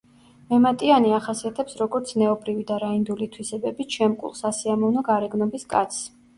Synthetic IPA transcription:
mɛmat̪ʼianiaχasiat̪ʰɛpsɾɔɡɔɾt̪sʰnɛɔbɾivid̪aɾaind̪ulit̪ʰwisɛbɛbit͡ʃʰɛmkʼṵlˠsasiamɔvnɔɡaɾɛɡnɔbiskʼa̰t̪sʰ

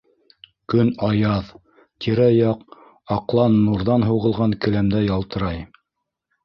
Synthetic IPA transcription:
kɵnɑjɑð | t̪ʲʰiɾæjɑq | ɑqlˠɑnːuɾðɑnɦuʁɤ̆lˠʁɑŋkɘ̆læmd̪æjɑlˠt̪ɤ̆ɾɑj

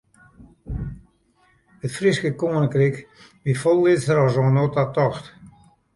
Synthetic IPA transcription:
ətfriskəkoːnəkrik | ʋifɔlˠːɪtsəɾɔzonotatɔxt

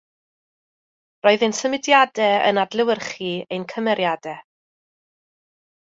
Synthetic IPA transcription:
rɔɨðensəmɪdjadɛə̰nadlˠɪwərχiejnkʰəmɛɾjadɛ

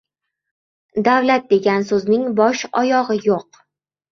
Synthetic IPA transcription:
d̪awlat̪̚d̪e̞ɡʲansɵznɪŋbɒʃɒjɒʁɨjoq

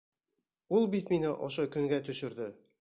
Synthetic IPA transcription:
ulˠbit̪minɘʔɒʃɤkɵ̆ŋɡæt̪ɵ̆ʃɘ̆ɾd̪ɘ

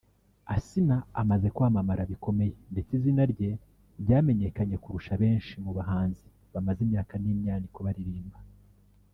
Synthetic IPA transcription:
asinaːmaze̞kwaːmamaɾaβiko̞me̞je̞nde̞t͡sizinaɾɟe̞ | ɾɟaːme̞ɲe̞kaɲe̞kuɾuʃaβe̞ːnʃimuβaɦaːnzi | βamazimɲaːkaniːmɲaːndiko̞βaɾiɾiːmba

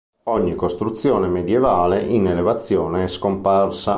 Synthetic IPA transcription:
ɔɲːikost̪ɾut̪sːjoːnemed̪jevaːleʔinelevat̪sːjoːneɛskomparsa

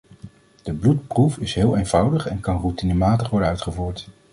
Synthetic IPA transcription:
d̥əblutprufɪsɦɪːlˠeːnv̥ʌwdəχɛnkɑnrutinəmaːtəχʋɔɹdənœɥtχəvuːɹt

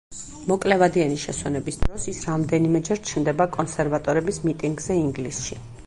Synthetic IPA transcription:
mɔkʼlɛvad̪ianiʃɛ̰swɛnɛbisd̪ɾɔsisɾamd̪ɛnimɛd͡ʒɛɾt͡ʃʰnd̪ɛbakʼɔnsɛɾvat̪ʼɔɾɛbismit̪ʼiŋɡzɛiŋɡlisʃi

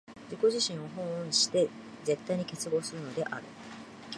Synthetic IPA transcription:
d͡ʑiko̞ʑiɕĩɰ̃o̞ɦõ̞ɕi̥t̪e̞ | ze̞t̪ːaiɲ̟ike̞t͡sɨɡo̞ːsɨɾɯ̟no̞d̪e̞ʔa̰ɾɯ̟̰

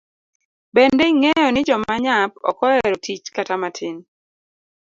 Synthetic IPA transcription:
bɛndɛiŋɛjɔnɪd͡ʒɔmaɲap̚ɔ̰kɔɛɾɔtʰit͡ʃkatamatʰɪn

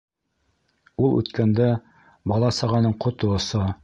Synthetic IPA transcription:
ulˠʉ̰t̪kænd̪æ | bɑlˠɑsɑʁɑnɤɴqŏt̪ŏŏsɤ

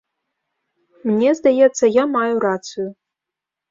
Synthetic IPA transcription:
mnʲezd̪ajɛtt͡s̪ːɐjamajurat͡sɨju

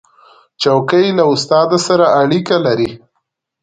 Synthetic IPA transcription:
t͡ʃawkəjlaʊst̪ɑd̪asaɾaaɽikalaɾi

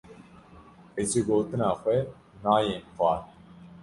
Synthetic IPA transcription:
et͡ʃeɡoːt̪ɨnaːxʷɛ | naːjeːnxʷɑː

